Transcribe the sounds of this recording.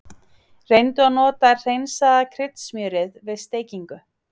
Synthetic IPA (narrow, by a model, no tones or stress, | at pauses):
rejnt̪ʏanɔːt̪ar̥ejnsaðakʰɾɪt̪smjœːɾɪðvɪðst̪eːjciŋkʏ